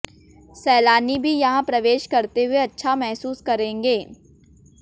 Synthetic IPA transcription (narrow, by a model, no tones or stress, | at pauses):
sɛːlaːnibʱijɐɦãpɾɐʋeːʃkɐɾt̪eɦʊeɐtːʃʰamɛɦsuːskɐɾẽːŋɡeː